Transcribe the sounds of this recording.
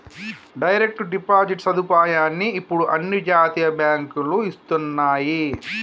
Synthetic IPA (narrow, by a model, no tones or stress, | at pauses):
ɖɐjɾe̞k̚ʈɖipaːd͡ʒiʈsɐd̪ʱupaːjaːnːiːpːuɽuʔɐnːid͡ʒaːt̪iːjɐbjaːŋkuluist̪unːaːji